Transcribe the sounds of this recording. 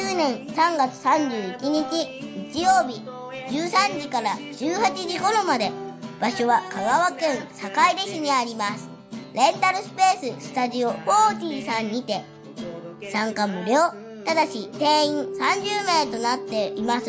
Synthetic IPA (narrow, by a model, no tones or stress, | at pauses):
ɨːnẽ̞ɰ̃sãŋɡat͡sɨ̥sãɲ̟d͡ʑɨːikʲiɲ̟it͡ɕiɲit͡ɕijo̞ːbʲi | d͡ʑɨːsãɲ̟d͡ʑikaɾad͡ʑɨːhat͡ɕiʑiɡo̞no̞mad̪e̞b̥aɕo̞βakaβaβakẽ̞ɰ̃sakaid̪eçʲiɲ̟iaɾʲimasɨ̥ | ɾẽ̞nt̪aɾɯ̟sɨ̥pe̞ːsɨsɨ̥t̪aʑio̞ɸoːt̪ʲiːsãɲ̟ːit̪e̞ | sãŋkamɯ̟ɾʲjo̞ː | t̪ad̪aɕit̪e̞ːĩɴ̃sãɲ̟d͡ʑɨːme̞ːt̪o̞nat̪ːe̞imasɨ